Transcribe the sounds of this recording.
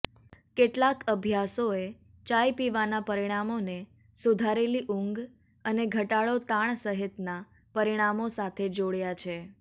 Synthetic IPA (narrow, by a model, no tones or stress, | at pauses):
keʈlakəbʱjasoe | t͡ʃajpiʋanapəɾiɽ̃amone | sud̪ʱaɾeliʔuŋɡ | əneɡʱəʈaɭot̪aɳ̃səɦɪt̪na | pəɾiɽ̃amosat̪ʰed͡ʒoɽjat͡ʃʰe